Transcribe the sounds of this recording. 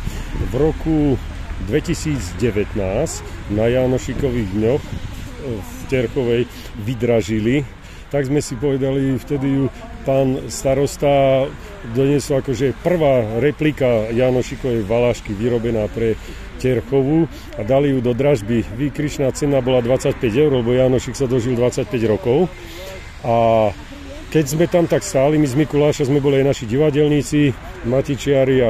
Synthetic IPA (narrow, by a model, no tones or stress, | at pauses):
vɾɔkud̪ʋɛcisiːd͡zɟɛʋɛt̪naːscnajaːnɔʃikɔʋiːɣd̪ɲɔx | fcɛɾxɔʋɛj | ʋid̪ɾaʒili | t̪aɡzmɛsipɔʋɛd̪alift̪ɛd̪iju | paːnst̪aɾɔst̪a | d̪ɔɲɪɛsɔlakɔʒɛpr̩ʋaːɾɛplikajaːnɔʃikɔʋɛʋalaːʃkiʋiɾɔbɛnaːpɾɛ | cɛɾxɔʋu | ad̪alijud̪ɔd̪ɾaʒbiʋiːkɾit͡ʃnaːt͡sɛnabɔlad̪ʋat͡sac̚pɛɟɛʊɾlɛbɔjaːnɔʃiksad̪ɔʒild̪ʋat͡sac̚pɛɟɾɔkɔʊ | a | kɛɟzmɛt̪amt̪akst̪aːlimizmikulaːʃazmɛbɔliajnaʃiɟiʋaɟɛlɲit͡si | macit͡ʃɪaɾia